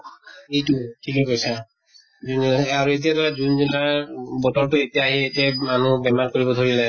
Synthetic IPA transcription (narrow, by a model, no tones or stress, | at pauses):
ejtutʰikɛkojsʰa | d͡ʒuniaɹuet̬ijadɔɹazunzunaɹbɔtɔɹtuetijaːɦietiamanubɛmankoɹibɔd̪ʱoɹilɛ